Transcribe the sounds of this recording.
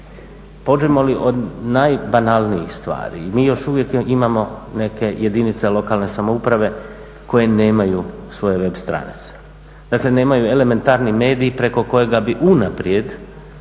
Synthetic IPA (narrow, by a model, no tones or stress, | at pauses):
po̞d͡ʒemo̞liʔo̞d̪najbanalˠniixst̪ʋa̰ːɾḭːmiːjo̞ʃuʋjekimamo̞ne̞ke̞je̞d̪init̪selo̞kaːlne̞samoupɾaʋe̞ | ko̞je̞neːmajusʋo̞je̞ʋe̞bst̪ɾa̰nḭt̪se̥ | d̪̥akle̞ne̞ːmajue̞le̞me̞nt̪aːɾnime̞ːd̪iipɾe̞ko̞ko̞je̞ɡabiʔunapɾje̞d̪